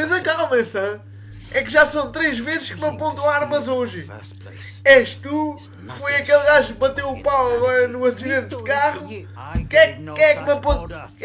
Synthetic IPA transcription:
ẽnɐkalˠmɐ̃sɐ̃ | ɛkʒasɐ̃w̃t̪ɾeʒvezʃkmɐpõnt̪w̃aɾmɐzoʒɨ | ɛʃt̪u | kfojɐkelˠɡaʒbɐt̪ewupawnuɐsiðẽnt̪d̪ɨkaʁu | kɛkkɛkmɐpõnt̪

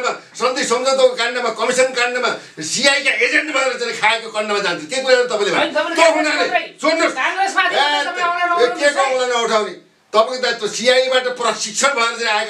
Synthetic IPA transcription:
masʌnd̪ejsʌmd͡zʌt̪ʌkokanːʌmakʌmisʌnkanːʌma | siajkaʔed͡zeɳʈbʱʌeɾʌt͡saĩkʰaekokʌnːʌmad͡zãnt̪ʰĩt̪ejkuɾaʌɾut̪ʌpãĩlebat̪oɦunalesonnosesaa | ek̪ekalanʌuʈʰawni | t̪ʌpãt̪ãt̪osijajibaʈʌprʌsik̚t͡ʃʰʌnbʱʌeɾʌt͡sãĩaek

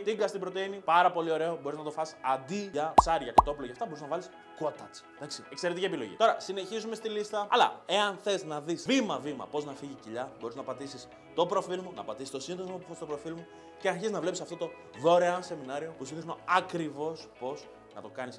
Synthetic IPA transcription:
t̪iɡɐst̪ibɾot̪einipɐɾɐpo̞lio̞ɾe̞obo̞ɾiznɐt̪o̞fɐsi̥sɐnd̪iʝɐpsɐɾʝɐkɐt̪o̞puloʝɐft̪ɐbo̞ɾiznɐvɐlis | ko̞t̪ɐt͡s | d̪ɐksiekseɾet̪iciepilo̞̰ʝḭt̪o̞ɾɐsine̞çizume̞st̪ilist̪ɐɐ̰lɐ̰e̞ɐnθe̞znɐðisvimɐvimɐ̰po̞znɐfiʝiciʎɐbo̞ɾiznɐpɐt̪isis | t̪o̞pɾo̞filmonɐpɐt̪isi̥st̪osind̪ozmopu̥fest̪opɾo̞filmu | ce̞ɐɾçiziznɐvle̞psisɐft̪o̞t̪o̞ | vo̞ɾeose̞minɐɾio̞pusiθisnoɐkɾivo̞spo̞z | nɐt̪o̞kɐnis

